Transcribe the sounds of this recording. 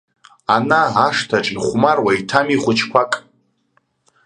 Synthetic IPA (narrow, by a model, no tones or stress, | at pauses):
anaːʂtʰaʈ͡ʂʼiχʷmarwaitʰamiχʷʊt͡ʃʰkʷʰakʼ